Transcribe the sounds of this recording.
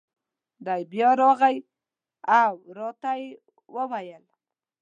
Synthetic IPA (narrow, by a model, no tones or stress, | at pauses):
d̪ajbjɑɾɑɣaj | awɾɑt̪aje | wəwajəl